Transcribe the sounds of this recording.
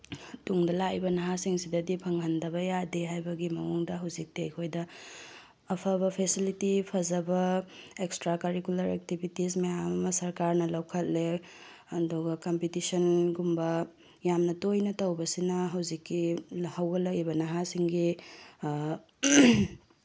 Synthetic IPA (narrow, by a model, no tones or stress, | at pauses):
tuŋdɐlaibɐnɐɦasiŋsidɐdipʰɐŋɦɐndɐbɐjadeɦajbɐɡimɐŋuŋdɐɦɐwzik̚diɐjkʰojdɐː | pʰɐbɐpʰesilitipʰɐzɐbɐekstɾakɐɾikulɐɾek̚tibʱitis̬mejamɐmɐsɐɾkaɾnɐlɐwkʰɐt̚le | ɐduɡɐkɐmpitisɐnɡumbɐ | jamnɐtojnɐtɐwbɐsinɐɦɐwzikːihɐwɡɐlɐibɐnɐɦasiŋɡi